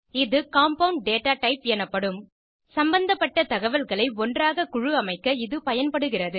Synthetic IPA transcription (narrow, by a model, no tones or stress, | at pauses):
ɪðɯkaːmpɐʊɳɖ̚ɖeːʈːaːʈɐɪpɛnɐpːɐɽɯm | sɐmbɐnd̪ɐpːɐʈːɐt̪ɐɣɐʋɐlɣɐɭɐɪɔndraːɣɐkʊɻɯɐmɐɪkːɐɪðɯpɐjɐnpɐɽɯɣɪrɐðɯ